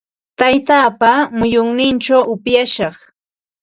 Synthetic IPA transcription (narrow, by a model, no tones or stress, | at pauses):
t̪ajt̪aːpamʊjʊŋnɪnt͡ʃawʔʊpjaʃɑχ